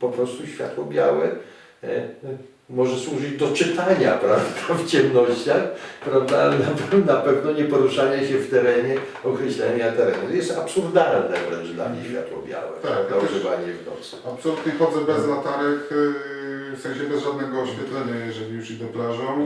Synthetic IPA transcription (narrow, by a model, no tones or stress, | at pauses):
pɔpɾɔst̪uɕfʲja̰t̪wɔbʲjawɛ | mɔʐɛswuʐɨd͡ʑd̪ɔt͡ʂɪt̪aɲa̰pɾavd̪̥aft͡ɕɛmnɔɕt͡ɕaxpɾavd̪anapnapɛvnɔɲɛpɔɾuʂaɲɛɕɛft̪ɛɾɛɲɛ | ɔkɾɛɕlɛ̰ɲat̪ɛɾɛnujɛst̪apsuɾd̪alnɛvɾɛ̰nd͡ʒd̪la̰ɲʲḛɕfʲja̰t̪wɔ̰bʲja̰wɛ̰t̪anaʐɨvaɲɛvnɔ̰t̪sapsɔlut̪ɲɛxɔd̪zɛbɛzlat̪aɾɛx | fsɛ̃ɲ̃ɕɛbɛzʒad̪nɛɡɔːɕfʲjɛt̪lɛɲajɛʐɛlʲijuʂid̪ɛplaʐɔ̃